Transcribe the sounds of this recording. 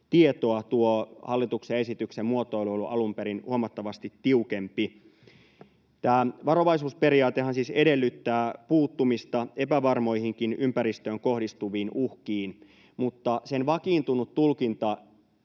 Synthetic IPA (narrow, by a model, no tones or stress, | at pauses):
t̪ie̞t̪o̞ɑt̪uohɑlːit̪uksee̞sit̪yksemmuot̪ˑooliolːuʔɑlumpeɾinhuɑmɑt̪ːɑʋɑst̪it̪ːiuke̞mpi | t̪æːʋɑɾo̞ʋɑjsuːspe̞ɾiɑːt̪ehɑnsiːse̞de̞lːyt̪ːæːpuːt̪ːumist̪ɑe̞pæʋɑrmo̞jhiŋkinympæɾist̪øːŋko̞hdist̪uʋiːnʔuhkiːn | mut̪ːɑse̞nʋɑkiːnt̪unut̪ːulkint̪ɑ